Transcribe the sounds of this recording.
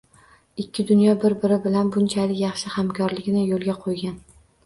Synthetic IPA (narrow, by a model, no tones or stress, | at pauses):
ɪkʲʰːɪd̪ʊnjɒbɪɾbɪɾɪbɪlanbʊnt͡ʃʰalɪkjɑχʃɪhamkʲʰɒɾlɪɡʲnɪjolˠɡʲaqʰojɡʲan